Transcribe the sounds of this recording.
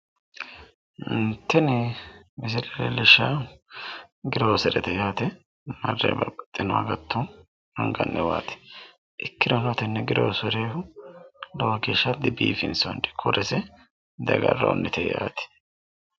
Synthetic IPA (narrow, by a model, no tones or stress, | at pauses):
ɪnt̪ːɛnɪmɪs̬ɪɾɛlɛlɪʃːaː | ɡɪɾoːsɛɾɛt̪ɛjaːt̪ɛ | mɐrːḛbɐbɐt̪ʼːɪnɔaɡɐt̪ʰːɔ | hɐŋɡɐ̰nːɛwa̰ːt̪ɛ̥ | ʔɪkːɪd̪ɔnɔt̪ɛnːɛɡɪɾoːsɔɾeːhʊ | lɔwɐɡeːʃːɐd̪ɪbḭːfɪnsond̪ɛ̥kʰʊɾɛsɛ | d̪ɐɡɐrːɐ̰ɔ̰nːɪt̪ɛja̰ːt̪ɛ̥